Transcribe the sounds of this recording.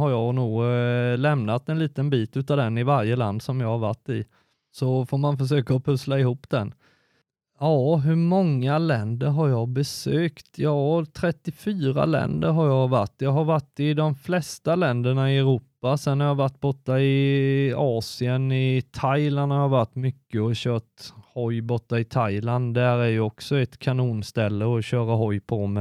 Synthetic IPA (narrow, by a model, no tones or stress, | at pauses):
haɾjɑːɡnuːɡlɛmnat̪ɛnliːt̪ənbiːt̪ʉ̟ːt̪ad̪ɛnːɪvaɾjəla̰nd̪sɔmjɑːhaɾva̰ʈːɪ | sɔfoːɾmanfœʂøːkaɔpʰɵslaɪɦuːpːd̪̥ɛn | ɑːɦɵmɔŋːalɛnd̪əɾɦaɾjɑːbɛsøːkt̪jɑːt̪ʰɾɛt̪ːɪfyːɾa̰lɛ̰nd̪əɾɦaɾjɑːva̰ʈːjɑːɦaɾvaʈːɪd̪ɔmflɛst̪alɛnd̪əɳaɪɛɾuːpasɛnhaɾjɑːvaʈːbɔʈːaɪ | ɑːsɪənɪt̪ʰajlanhaɾjɑvaʈːmʏkːəɔɕœːʈhɔjbɔʈːaɪt̪ʰajland̪d̪æɾæɾjɵɔksɔɛt̪kʰanuːnst̪ɛlːəɔɕœːɾaɦɔjpʰɔmɛ